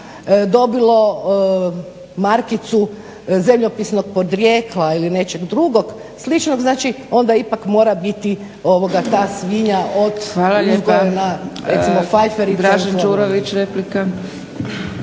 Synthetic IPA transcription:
d̪o̞bilˠo̞ | maɾkit̪su | zemʎo̞pisno̞ɡ̚po̞d̪ɾjeːklˠailine̞t͡ʃe̞ɡd̪ɾuɡo̞ɡ | slˠit͡ʃnoɡznaːt͡ʃi | o̞nd̪aipakmo̞ːɾabit̪i | o̞ʋo̞ɡat̪aːsʋiɲaʔo̞d̪ʋalaʎuezɡooɾenaɾesimofajfeɾiaʒnd͡ʒuɾoʋit͡ʃɾeplika

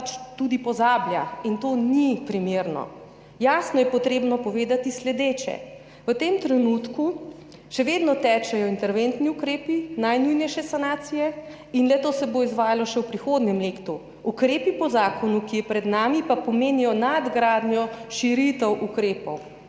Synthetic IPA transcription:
t͡ʃt̪ud̪ipɔzaːbjaint̪onipɾimeːɾnɔ̰ | jaːsnɔjɛpɔt̪ɾeːbnɔpɔʋeːd̪at̪islɛd̪eːt͡ʃɛ̰ | ʋət̪emt̪ɾɛnut̪ku | ʃɛʋeːd̪nɔt̪ɛːt͡ʃɛjɔint̪ɛɾʋent̪niukɾeːpinajnujnɛjʃɛsanaːt̪sijɛ | inlɛt̪oːsɛboizʋaːjalɔʃɛwpɾixod̪nɛmleːkt̪u | ukɾeːpipɔzaːkɔnukijɛpɾɛd̪naːmipapɔmeːnijɔnad̪ɡɾaːd̪njɔʃiɾit̪ɛwʔukɾeːpɔw

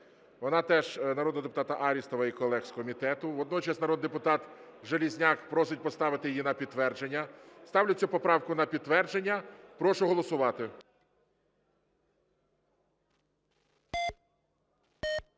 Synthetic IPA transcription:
ʋɔnɑt̪ɛʒnɐɾɔd̪nɔd̪epʊt̪ɑt̪ɐʔɑɾʲist̪ɔʋɐikɔlˠɛkskɔmʲit̪ɛt̪ʊʋɔd̪nɔt͡ʃɐsnɐɾɔd̪d̪epʊt̪ɑt̪ | ʒelʲizʲnʲɑkpɾɔsɪt̚ʲpɔst̪ɑʋɪt̪ɪjjinɐpʲid̪̚t̪ʋɛrd͡ʒenʲːɐst̪ɑwlʲʊt͡sʲːupɔpɾɑwkʊnɐpʲid̪̚t̪ːʋɛrd͡ʒenʲːɐpɾɔʃʊɦɔlˠɔsʊʋɑt̪ɪ

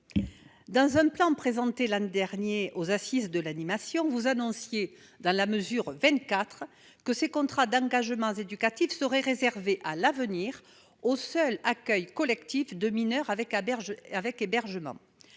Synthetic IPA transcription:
d̪ɑ̃zɛ̃plɑ̃pχezɑ̃t̪elɛ̃d̪ɛʁnjeʔozasizd̪əlanimasjɔ̃vuzanɔ̃sje | d̪ɑ̃laməzyʁvɛ̃t̪̚kat̪χ | kəsekɔ̃t̪χad̪ɑ̃ɡaʒəmɑ̃zed̪ykat̪ifsəʁɛʁezɛʁveʔalavəniʁ | osœlakœjkɔlɛkt̪ifd̪əminœʁavɛkɛavɛkebɛʁʒəmɑ̰̃

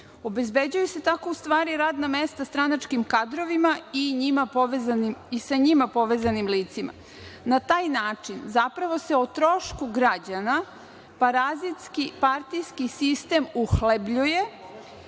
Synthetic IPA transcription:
obe̞zbed͡ʑujuse̞t̪akoust̪ʋaːɾiɾaːd̪namest̪ast̪ɾanat͡ʃkimkad̪ɾo̞ʋimaiɲimapoʋezanimisaɲimapo̞ʋezanimliːt̪sima̰ | nat̪aːjnaːt͡ʂinzapɾaʋo̞seot̪ɾoʃkuɡɾad͡ʑana | paɾazit̪skipaɾt̪ijskisist̪e̞muxlebʎuje̞

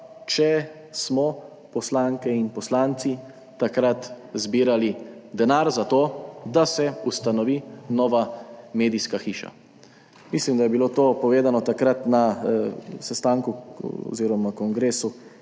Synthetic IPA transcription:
t͡ʃɛ | smɔ | pɔslaːŋkɛinpɔslaːnt̪si | t̪akɾat̪zbiːɾalid̪ɛnaɾzat̪oːd̪asɛust̪anɔʋiːnɔːʋameːd̪iskaxiːʃa̰ | mislimd̪ajɛbiloːt̪oːpɔʋeːzanɔt̪akɾat̪na | sɛst̪aŋkuɔ̰ziːɾɔmakɔŋɡɾeːsu

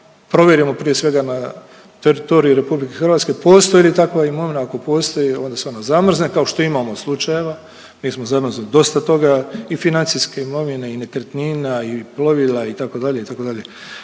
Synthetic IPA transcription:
pɾo̞ʋjeɾimo̞pɾije̞sʋe̞ɡana | t̪eɾit̪o̞ɾijuɾe̞publikexrʋaːt̪ske̞po̞ːst̪ojilit̪akʋaimo̞ʋinaːko̞po̞ːst̪o̞jio̞nd̪aseonazamr̩znekao̞ʃt̪o̞imamo̞slˠut͡ʃaje̞ʋa | miːsmo̞zamrznid̪o̞st̪at̪o̞ɡaifinant̪siske̞imo̞ʋine̞ine̞kɾet̪ninaiplo̞ʋilait̪ako̞d̪aʎe̞it̪ako̞d̪aʎe̞

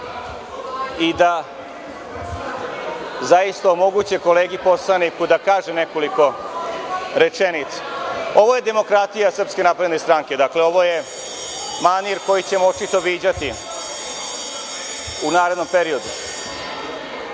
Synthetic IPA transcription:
id̪a | zajist̪aomo̞ɡut͡ɕeko̞le̞ːɡipo̞slˠanikud̪akaːʒene̞ko̞liko̞ | ɾe̞t͡ʃenit̪sḁo̞ʋo̞je̞d̪e̞mo̞kɾat̪ijasr̩pske̞napɾe̞d̪nest̪ɾaːŋke̞d̪akleo̞ʋo̞je̞ | maniɾko̞jit͡ɕe̞moot͡ʃit̪o̞ʋiːd͡ʑat̪i | unaːɾed̪no̞mpe̞ɾio̞d̪u

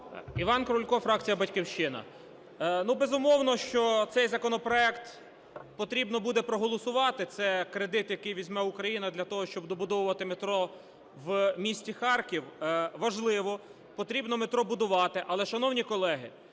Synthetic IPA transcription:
iʋɑnkɾʊlʲkɔfɾɑk̚t͡sʲijɐbɐtʲkɪwʃt͡ʃɪnɐ̰ | nubezʊmɔwnɔʃt͡ʃɔt̪sɛjzɐkɔnɔpɾɔɛkt̪ | pɔt̪ɾʲibnɔbud̪ɛpɾɔɦɔlˠɔsʊʋɑt̪ɪt̪sɛkɾed̪ɪt̪jɐkɪjʋʲizʲmɛʊkɾɐjinɐd̪lʲɐt̪ɔɦɔʃt͡ʃɔbd̪ɔbʊd̪ɔwʊʋɐt̪ɪmet̪ɾɔ | ʋmʲisʲtʲixɑrkʲiwʋɐʒlˠɪʋɔ | pɔt̪ɾʲibnɔmet̪ɾɔbʊd̪ʊʋɑt̪ɪʔɐlˠɛʃɐnɔwnʲikɔlˠɛɦɪ

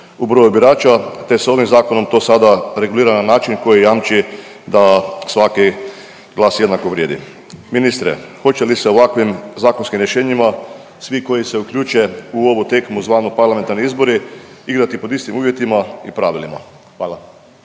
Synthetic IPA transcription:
ubɾojubiɾaːt͡ʃat̪esoʋimzaːkonomt̪o̞ːsad̪aɾe̞ɡuliːɾananaːt͡ʃinkojijaːmt͡ʃi | d̪asʋaki | ɡ̥lˠaːsjed̪nakoʋɾjeːd̪ḭ | minist̪ɾḛxo̞t͡ʃeliseoʋakʋimzaːkonskimɾjeʃeːɲima | sʋiko̞jiseukʎʲuːt͡ʃeuoʋot̪ekmuzʋaːnopaɾlame̞nt̪aɾniizboɾiiɡɾat̪ipod̪ist̪imuːʋjet̪imaipɾaːʋilima̰ | xʋaːla

